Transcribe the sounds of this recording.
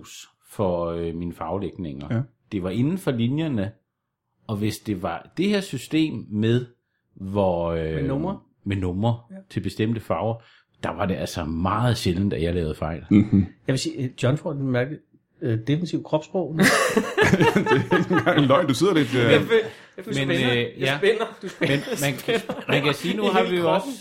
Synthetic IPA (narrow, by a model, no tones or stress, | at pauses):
s | fɒ̽øminəfɑ̈ʊleɡ̥ne̝ŋɐ | d̥e̝ʋɑ̈ʔe̝nn̩fɒ̽linjɐnə | ɒ̽ʋe̝sd̥e̝ʋɑ̈d̥e̝heɐsysd̥e̝̰ːmːeðˠ | ʋɒ | mɐ | menɔmɐt͡sʰe̝lb̥e̝sd̥em̰d̥əfɑ̈ʊ | d̥ɑ̈ʋɑ̈d̥e̝ʔælsɒmɑ̈ːð̞̩ˠɕeln̩d̥æjälɛ̰ːʊð̩ˠfɑ̈ɪ̰ljɑʋe̝siːd̥jɒ̽nfɒd̥mæɐɡ̥ə | d̥efnit͡sʰiʊkʰʁɒ̽b̥sb̥ʁɔʊn | ɡ̥ɑ̈ŋlɒɪ̰nd̥use̝ð̞̰ˠɐled̥ | menjænd̥menmænmænkʰæsiːnuɦɑ̈ʋijoɒs